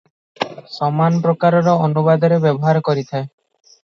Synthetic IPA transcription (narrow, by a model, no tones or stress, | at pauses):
sɔmanɔpɾɔkaɾɔɾɔɔnubad̪ʱɔɾebɔbɔɦaɾkɔɾit̪ʰae